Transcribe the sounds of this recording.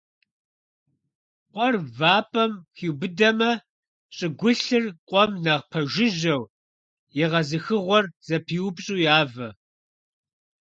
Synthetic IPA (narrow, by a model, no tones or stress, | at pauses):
qʷʼɔrvaːpʼɐmxiːwbɨdɐmɐ | ɕʼɪɡʷʊɬɨrqʷʼɔmnɐʁpʰɐʒɪʒɐw | jɪʁɐzɨxɨʁʷɔrz̥ɐpʰiːwpɕʼuːjaːvɐ